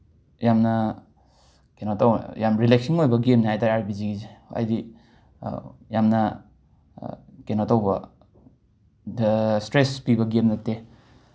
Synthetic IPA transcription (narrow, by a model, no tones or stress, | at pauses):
jamnɐ | kenotawjamɾilek̚siŋojbɐɡemnɦajtaɾaɾpiziɡizeɐ̰jdi | jamnɐ | kenotawbɐ | stɾespibɐɡemnɐte